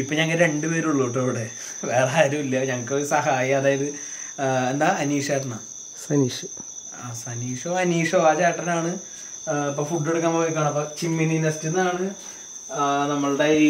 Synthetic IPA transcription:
ipːoɲɐŋːɐɭɨɾe̞ɳɖɨpe̞ːɾuɭːuːʈːɐʋiɽe | ʋe̞ːraːɾumilːjɐɲɐŋːɐkːɨoɾusɐɦaːjɐmɐðaːjiðɨ | end̪aːɐniːʂaːʈːɐnːa | sɐniːʂɐ | asɐniːʂoːɐniːʂoːaːt͡ɕaːʈːɐnaːɳɨ | ipːoːfuɖːeɽukːaːmboːjik̬ːaːɳɐmɐpːot͡ɕimːininɐstːenːaːɳɨ | nɐmːɐɭɽei

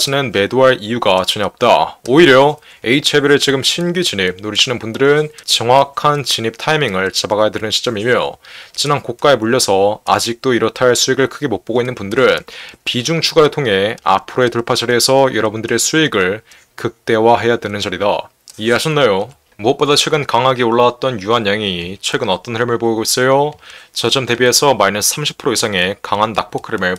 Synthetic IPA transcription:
d͡ʑinɯnme̞doaɭijuɡat͡ɕʌɲaʌp̚t͈a̰oiɾjʌ | e̞it͡ɕʰebjʌɾɯt͡ɕiɡɯmɕʰinɡid͡ʑiɲip̚noɾiɕʰinɯnpundɯɾɯnt͡ɕʌŋwakʰant͡ɕiɲip̚tʰaimiŋɯɭt͡ɕabaɡajadwenɯnɕʰi̥t͡ɕ͈ʌmimjo̰t͡ɕinankok̚k͈ae̞muʎːʌsʰʌad͡ʑik̚t͈oiɾʌtʰaɭsʰuiɡɯɭkʰɯɡe̞mok̚p͈oɡoinːɯnbundɯɾɯnpid͡ʑuŋt͡ɕʰuɡaɾɯɭtʰoŋɦe̞a̰pʰɯɾoe̞tuɭpʰat͡ɕʰaɾiesʰʌjʔʌɾʌbundɯɾe̞sʰuiɡɯɭ | kɯk̚t͈e̞waɦe̞jadwenɯnd͡ʑaɾida | ieɦaɕʰʌnːajo | muʌp̚p͈odat͡ɕʰwe̞ɡɯnkaŋɦaɡioɭːawat̚t͈ʌnjuɦanjaŋit͡ɕʰwe̞ɡɯnʌt͈ʌnheɭmɯɭpoiɡois͈ʌjot͡ɕʌd͡ʑʌmte̞bie̞sʰʌmainɯnsʰamɕʰi̥pʰɯɾoisʰaŋe̞kaŋɦanːak̚p͈okʰɯɾimɯɭ

